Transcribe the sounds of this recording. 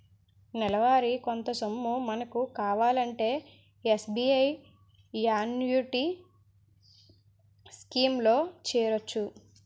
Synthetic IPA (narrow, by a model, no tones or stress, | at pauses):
nɛlɐʋaːɾikont̪ɐsɐmːumɐnɐkukaːʋaːlɐɳʈe̞ː | esbiːɐj | jaːnjuʈi | skiːmlo̞ːt͡ʃɛːɾot͡ʃːu